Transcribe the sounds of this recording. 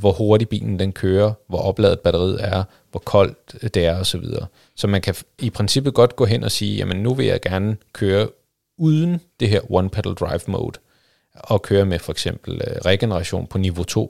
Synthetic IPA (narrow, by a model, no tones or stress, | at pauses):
ʋɒho̝ɐɾib̥ḭːln̩d̥enkʰøːɐʋɒ̽ʔɒ̽b̥lɛ̰ːð̩ˠb̥æɾɐʁið̰ˠæɐ | ʋɒkʰɒ̽l̰d̥d̥e̝æɐɒ̽sɒ̽ʋið̞ˠɐː | sɒ̽mænkʰæipʰʁensib̥ð̩ˠɡ̥ɒ̽d̥ɡ̥ɔ̰̽ːɦen̰ʔɒ̽siːjæmənːuʋe̝jɑ̈ɪɡ̥æɐnəkʰøːɐ | uðˠn̩d̥e̝ɦeɐ̰wɒnpʰæd̥l̩d̥ʁɑ̈ɪʋmo̰ʊd̥ˠ | ɒ̽kʰøːɐmefɒ̽eɡ̥sem̰b̥l̩ʁɛɡ̥enəʁɑ̈ɕo̝̰ːnpʰɒ̽niʋo̝t͡sʰo̝̰ː